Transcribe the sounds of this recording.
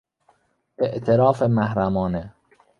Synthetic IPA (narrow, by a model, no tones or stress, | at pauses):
eʔt̪ʰeɾɒːfemæhɾæmɒːne